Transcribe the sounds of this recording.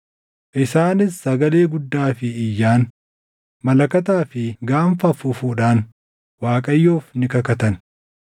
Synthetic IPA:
ʔɪsaːnɪsːɐɡɐle̞ːɡʊd̪ːaːfɪːjːaːn | mɐlɐkɐt̪̬aːfɪɡaːmfɐfʊfuːᶑaːn | waːkʼɐjːoːfnɪkɐkɐt̪ɐn

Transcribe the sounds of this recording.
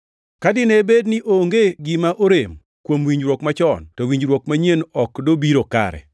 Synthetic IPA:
kadɪnebednɪʔoŋɡeɡɪmaʔoɾem | kwomwiɲd͡ʒɾwokmat͡ʃɔntɔwiɲd͡ʒɾwokmaɲenɔkdobiɾoka̰ɾɛ̰

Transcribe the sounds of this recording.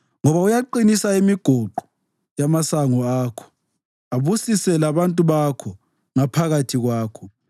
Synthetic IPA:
ŋɔβaujaǃinisaimiɡ̥ʱoǃu̥ | jamasaŋɔaːkʰɔ̥ | aβusisɛlaβantʼuβakʰɔ | ŋapʰaɣatʰiɣwaːkʰɔ

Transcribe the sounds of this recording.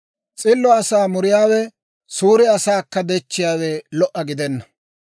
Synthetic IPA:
t͡sʼɪlːɔɐsaːmʊɾɪjaːwɛ | suːɾɪɐsaːkːɐd̪ɛt͡ʃːɪjaːwɛlɔʔɐɡɪd̪ɛnːɐ

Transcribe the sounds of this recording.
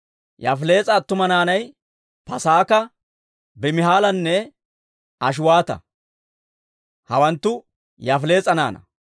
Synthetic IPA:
jɐ̰fle̞ːt͡sʼɐːt̪ːʊmɐnaːnɐj | pɐsaːkɐ | bɛmɪɦaːlɐnːɛ | ɐʃ̬ʊwaːt̪ɐ̰ | hɐwɐnt̪ːʊ | jɐfle̞ːt͡sʼɐna̰ːnɐ̰

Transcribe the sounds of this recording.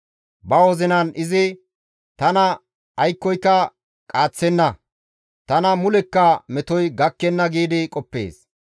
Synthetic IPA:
bɐwɔzɪnɐnɪzɪ | t̪ɐnɐ | ɐjkːɔjkːɐ | kʼaːt͡sːɛnːɐ | t̪ɐnɐmʊlɛkːɐmɛt̪ɔjɡɐkːɛnːɐɡiːd̪ɪkʼɔpːḛːs

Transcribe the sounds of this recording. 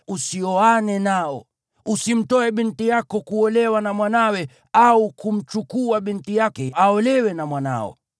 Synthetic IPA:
usiɔanɛnaɔ̰ | usim̩tɔɛɓintijakɔkuɔlɛwanamwanawɛ | aukum̩t͡ʃukuaɓintijakɛaɔlɛwɛnamwana̰ɔ̰

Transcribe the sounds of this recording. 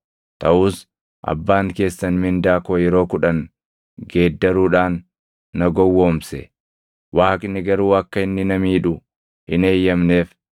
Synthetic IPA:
t̪ʰɐʔuːs | ʔɐ̰bːaːŋke̞ːsːɐnmɪnd̪aːkoːjɛɾo̞ːkʊᶑɐn | ɡe̞ːd̪ːɐɾuːᶑaːnː | ɐɡɔwːo̞ːmsɛ̰ | wʔaːkʼɪnːɪɡɐɾuːɐkːɐɪnːɪnɐmiːᶑʊ | hɪne̞ːjːɐmne̞ːf

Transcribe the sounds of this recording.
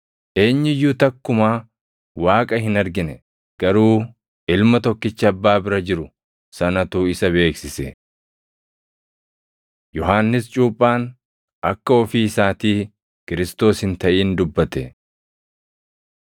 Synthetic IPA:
ʔe̞ːɲːɪjːuːt̪ɐkːʊmaː | waːkʼɐɦɪnɐɾɡɪnɛ | ɡ̥ɐɾuː | ʔɪlmɐt̪ɔkːɪt͡ʃːɐɐbːaːbɪɾɐd͡ʒɪɾʊ | sɐnɐt̪uːɪsɐβe̞ːksɪsɛ | jɔɦaːnːɪst͡ʃʼuːpʼːaːn | ʔɐkːɐɔfiːɪsaːt̪iː | kɪɾɪst̪o̞ːshɪnt̪ɐʔiːnd̪ʊbːɐt̪ɛ

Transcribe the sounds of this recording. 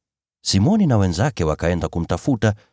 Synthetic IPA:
simɔninawɛnzakɛwakaɛndakum̩tafuta

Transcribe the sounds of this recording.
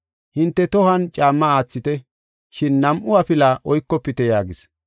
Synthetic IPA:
hɪnt̪ːɛt̪ɔhɐnt͡ʃʼaːmːɐaːt͡sːɪt̪ɛ | ʃɪnːɐmʔʊwapɪlaʔɔjkːɔpːɪt̪ɛjaːɡɪs

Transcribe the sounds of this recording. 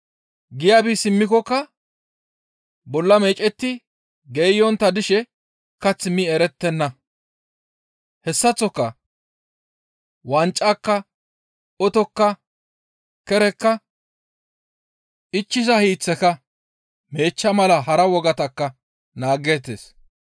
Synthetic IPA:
ɡɪjaːbisɪmːɪkɔkːɐ | bɔlːɐme̞ːt͡ʃʼɛt̪ːɪ | ɡeːjɔnt̪ːɐd̪ɪʃɛ | kɐt͡sːɪmːiɛɾɛt̪ːɛnːɐ | hɛsːɐt͡sːɔkːɐ | wɐnt͡ʃʼːakːɐ | ɔt̪ɔkːɐ | kɛɾɛkːɐ | ɪt͡ʃːɪsɐhiːt͡sːɛkɐ | me̞ːt͡ʃːɐmɐlɐɦɐɾɐwɔɡɐt̪ɐkːɐ | naːɡeːt̪ːḛːs

